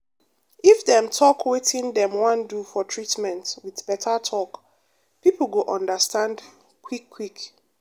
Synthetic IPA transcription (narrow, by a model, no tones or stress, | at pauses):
ifdɛ̃mtʰɔkʰwetʰĩndɛ̃mwãndufɔtʰɹitmɛ̃ntwiðbɛtʰətʰɔk | pipl̩ɡoʔɔ̃ndəstãnd | kʰwikʰːwik